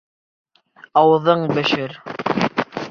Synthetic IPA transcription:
ɑwɤ̆ðɤɴbɘ̆ʃɘɾ

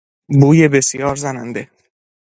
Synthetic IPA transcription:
buːjebe̞sjɒːɾzænænd̪e

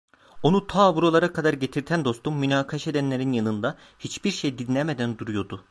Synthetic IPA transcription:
o̞nut̪ʰaːbuɾo̞lˠaɾakʰad̪aɾɟe̞t̪ʰiɾt̪ʰænd̪o̞st̪umːynaːkʰaʃe̞d̪ænlʲe̞ɾinjanɯnd̪a | hit͡ʃbiɾʃejd̪inlʲeme̞d̪ænd̪uɾujo̞d̪u

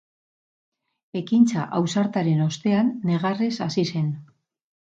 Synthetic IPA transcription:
e̞kint͡saʔawsaɾt̪aɾe̞no̞st̪e̞anːe̞ɣare̞sasise̞n

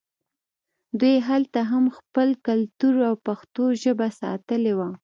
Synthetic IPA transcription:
d̪wujɦalt̪aɦamxpəlkalt̪uɾawpaxt̪oʒəbasɑ̰t̪əlewa

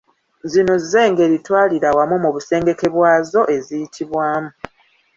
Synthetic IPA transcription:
zino̞zize̞ːŋɡe̞ːɾitwaːliɾawamumuβuse̞ːŋɡe̞ke̞βwaːzo̞ʔe̞zijitʰiβwaːmu

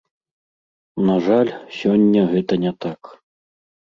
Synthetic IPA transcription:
naʐalʲsʲɔnʲːɐɣɛt̪ɐnʲɛt̪ak

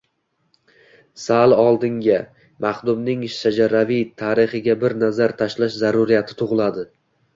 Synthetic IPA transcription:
salˠɒlˠd̪ɪŋɡʲa | maχd̪ʊmnɪŋʃʃad͡ʒaɾavijt̪ʰaɾɪχɪɡʲabɪɾnazaɾt̪ʰaʃlaʃzaɾʊɾijat̪ʰɪ̥t̪ʰʊʁlˠad̪ɪ

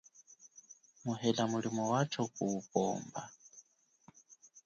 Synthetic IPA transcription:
muɦɛlamulimɔwat͡ʃʰɔkʼupʼɔ̰ːmba̰

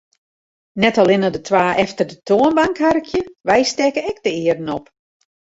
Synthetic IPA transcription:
nɛtalˠɪnədətʰwaːʔɛftərdətʰoənbaŋkharkʰjəʋɛjstɛkəɛk̚dəɪərdən̩ɔp

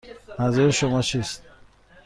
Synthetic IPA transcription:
mæzuɾeʃomɒt͡ʃʰist̪̚

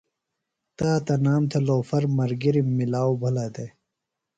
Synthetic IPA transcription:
t̪aːt̪ɐnaːmt̪ʰɐloːfɐɾmɐɾɡiɾimːilaːobʱɐlad̪e

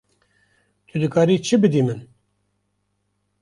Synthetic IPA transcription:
t̪ʰɨd̪ɨkɑːɾiːt͡ʃʰɨbɨd̪iːmɨn

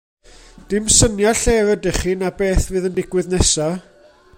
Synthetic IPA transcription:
d̥ɪmsənjaɬɛvədɛχiːnabeːθvɨːðəndɪɡwɨðnɛsa

